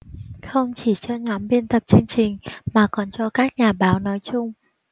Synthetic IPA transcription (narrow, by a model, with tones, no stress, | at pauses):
xə˧wŋ͡mt͡ɕi˧˩t͡ɕɔ˧ɲɔ˨˦mɓi˧ənt̪ə˨˩p̚t͡ɕɨ˧ŋt͡ɕï˨˩ŋ̟maː˨˩kɔ˨˩nt͡ɕɔ˧kaː˦˥k̚ɲaː˨˩ɓaː˨˦wnɔ˨˦jt͡ɕʊ˧ŋ͡m